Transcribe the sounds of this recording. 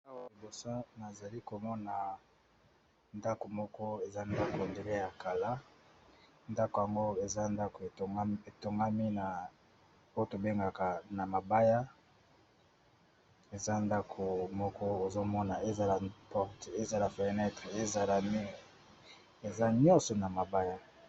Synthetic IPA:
a˦wa˨i˨bo˨sa˦na˨za˨li˦ko˨mɔ˦na˨ | nda˦ko˨mɔ˦kɔ˦e˨za˦nda˦ko˨nde˨le˦ja˨ka˨la˦ | nda˦kja˨ŋɡo˦e˨za˦nda˦ko˨e˨˦e˨to˨ŋɡa˦mi˦na˨ | o˦o˦to˨be˦ŋɡa˨ka˨na˨ma˨ba˦ja˦ | e˨za˦nda˦kʰo˨mɔ˦kɔ˦o˨zo˦mɔ˦na˨e˦za˨la˨pɔ˦ʁte˦za˨la˨fɛ˨ʁnɛ˦tʁe˨e˦za˨la˨mi˦˨ | e˨za˦ɲɔ̃˦sɔ˨na˨ma˨ba˦ja˦

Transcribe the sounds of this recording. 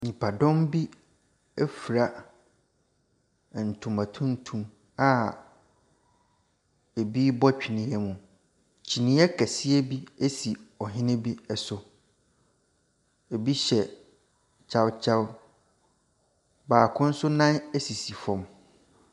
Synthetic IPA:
ɲĩ˨pʰa˨dɔ̃˦mbi˦ | e˦fɾa˨ | n̩˨tʰũ˨mã˨tʰũ˦n˦tʰũ˨m | a˨ | e˨bi˦bɔ˦t͡ɕᶣi˨nĩ˨˦ɛ˦mũ˨ | t͡ɕʰi˨nĩ˦ɛ˦kʰɛ˨sɪ˦ɛ˦bi˦e˦si˨ɔ˨ɦɪ̃˦nɪ̃˦bi˦ɛ˨sʊ˨ | e˨bi˦ɕɛ˨ | t͡ɕʰa˨wt͡ɕʰa˦w | baː˨kʰʊ̃˦n̩˦sʊ˦nã˦ne˦si˨si˨fɔ̃˨m

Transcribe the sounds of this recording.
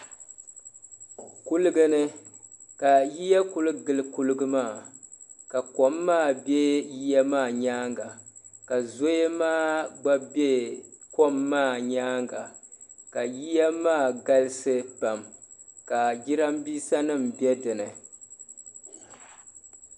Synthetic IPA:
ku˦lɨ˦ɡɨ˦nɨ˦ | ka˨ji˦jɛ˦ku˨lɨ˦ɡɨ˨lɨ˦ku˦lɨ˦ɡɨ˦maː˦˨ | ka˨kɔ˦mːaː˦˨bje˦ji˦ja˦maː˦˨ɲaː˦ŋɡa˨ | ka˨zo˦je˦maː˦˨ɡ͡ba˦be˦ | kɔ˦mːaː˦˨ɲaː˦ŋɡa˨ | ka˨ji˦ja˦maː˦˨ɡa˦lɨ˦sɨ˦pa˨m | ka˨d͡ʒi˦ɾa˦mbiː˦sa˦nɨ˦mbɛ˦dɨ˨nɨ˨

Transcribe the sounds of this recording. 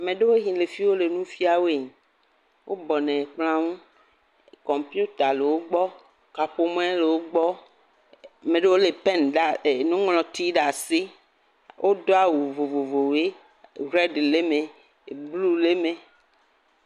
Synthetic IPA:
a˨mẽ˨ɖe˦wo˦ɦĩ˨le˨fi˦wo˦le˨nũ˦fi˦a˨we˦˨ɲ˨ | wʔo˦bɔ˨nɛ̃˨k͡pl̃ã˦ŋũ˦ | kɔ̃˨mpju˦t̪a˨le˨wo˦ɡ͡bɔ˦ | ka˨ɸo˦m˦ɛ̃˦le˨wo˦ɡ͡bɔ˦ | a˨mẽ˨ɖe˦wo˦le˨pɛ˦nɖa˨nũ˦ŋlɔ̃˨t̪i˦ɖa˨si˦ | wʔo˦d̪o˦a˨wu˨vo˨vo˨vo˨we˦ | ɣɛ˦ɖle˦mẽ˨ | blu˦le˦mẽ˨

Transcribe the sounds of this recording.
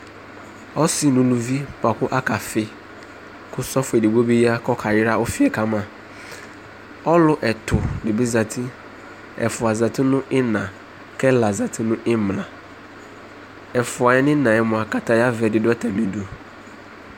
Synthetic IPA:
ɔ˦sɪ˦nʊ̃˨lu˨vi˦pa˨kʊ˦ʔa˦ka˨fɪ˦ | kʰʊ˦sɔ˦fʊ˨ɛ˨di˨bo˦bi˦ji˦a˦kɔ˦kʰa˨jɪ˦ɾa˦ʊ˦fɪ˨ɛ˨ka˦mã˨ | ɔ˦lʊ˦ʔɛ˨tʰʊ˨dɪ˨bi˦za˨tʰi˦ | ɛ̰˨fʊ˨a˨za˨tɪ˦nʊ̃˦ʔɪ˦nã˨ | kʰɛ˦la˨za˨tʰɪ˦nʊ̃˦ʔɪ˦mlã˨ | ɛ˨fʊ˨a˨jɛ˦nɪ̃˦nã˨ɛ˨mʊ̃˨a˨ka˦ta˨ja˦vɛ˨dɪ˨dʊ˦ɛ˦tʰa˨nĩ˨du˨

